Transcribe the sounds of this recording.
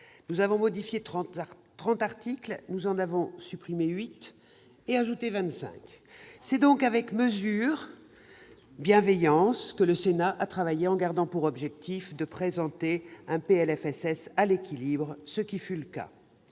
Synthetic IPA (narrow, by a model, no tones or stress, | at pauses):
nuzavɔ̃mɔd̪ifjet̪χɑ̃t̪aʁt̪iklnuzɑ̃navɔ̃sypχimeɥit̪ | eaʒut̪evɛ̃t̪sɛ̰̃k | sɛd̪ɔ̃kavɛkməzyʁ | bjɛ̃vɛjɑ̃skələsenaʔat̪χavajeɑ̃ɡaʁd̪ɑ̃puʁɔbʒɛk̚t̪ifd̪əpχezɑ̃t̪eɛ̃peɛlɛfɛsɛsalekʲilibʁsəkʲifyləka̰